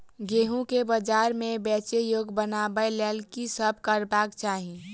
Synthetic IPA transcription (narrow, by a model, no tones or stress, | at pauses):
ɡeːɦũkebəd͡ʒaːɾmẽbɛːt͡ʃejoːɡbənaːbəjlɛːlkisəb̚ʱkəɾbaːkt͡ʃaːɦi